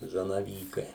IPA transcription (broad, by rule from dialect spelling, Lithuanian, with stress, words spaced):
zɐnɐˈʋʲiːkɐɪ